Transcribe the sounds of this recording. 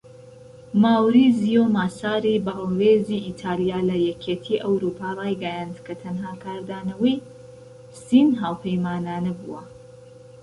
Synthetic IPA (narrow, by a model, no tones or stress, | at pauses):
maːwɾizijomaːsaːɾibɐweːziʔit̪ʰaːlijaːlɐjɛkʰeːt̪ʰiːʔɐwɾuːpʰaːrˤɑːjɡɐjand̪kʰɐt̪ʰɐnɦaːkʰaːɾd̪aːnɐwɐj | sinɦaːwpʰejmaːnaːnɐbṵwɐ̰